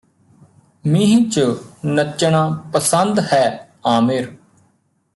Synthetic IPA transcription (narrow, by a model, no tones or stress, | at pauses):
mĩɦĩːt͡ʃənət͡ʃːɳ̃ãːpəsənd̪hɛː | aːmɪɾ